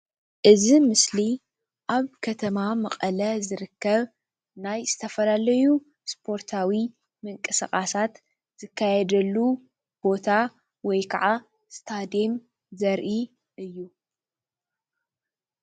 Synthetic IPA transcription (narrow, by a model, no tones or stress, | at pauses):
ʔɨzimɨsli | ʔaβkʰɐt̪ʰɐmamɐχʼɐlɐzɨɾɨkːɐβ | najzɨt̪ʰɐfɐlalɐju | spʰo̞ɾt̪ʰawi | mɨŋkʼɨsɐχʼasat̪ | z̥ɨkʰːajɛd̪ɐlːu | b̥o̞t̪ʰa | wɔjkʰɐʕa | st̪ʰad̪em | zɐɾʔi | ʔɨjːu